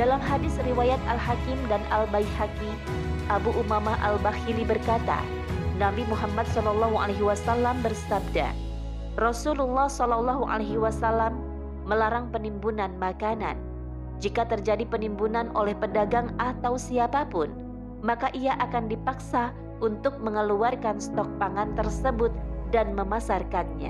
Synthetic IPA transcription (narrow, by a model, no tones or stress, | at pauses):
d̥alamɦadɪsriwajat̪̚alhakɪmdanʔalbajhaki | ʔabuʔumamaʔa̰lbaxilibərkat̪a̰ | nabimuɦamːat̪̚sɔlɔlːɔɦua̰laɦiwasalːambərsab̚da̰ | rɔsululːɑhsɔlɔlːɔɦuʔa̰laɦiwasalamː | əlaɾaŋpənimbunanmakana̰n | d͡ʒikat̪ərd͡ʒadipənimbunanolɛhpədaɡaŋat̪awsiapapʊn | makaʔiaʔakandipaksa | ʔunt̪ʊk̚məŋəluarkanst̪ɔk̚paŋant̪ərsəbʊt̪̚danməmasarkanɲa̰